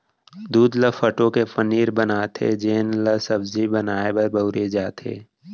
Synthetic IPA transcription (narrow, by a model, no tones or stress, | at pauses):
d̪uːd̪ləfʰəʈõkepəniːɾbənaːt̪ʰḛd͡ʒeːnləsəbzibənaːebɐɾbəʊɾed͡ʒaːt̪ʰḛː